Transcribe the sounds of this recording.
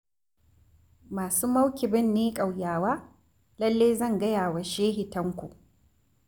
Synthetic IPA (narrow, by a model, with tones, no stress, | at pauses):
maː˨suː˦mɐ˦wkʲɪ˨bɪ˦nːeː˦kʼa˨wjaː˨waː˦ | lɐ˦lːeː˦zɐ˦˨ŋɡɐ˦jaː˨wa˨ʃeː˦ɦɪ˨tɐ˦ŋkʷṵ˨ʔ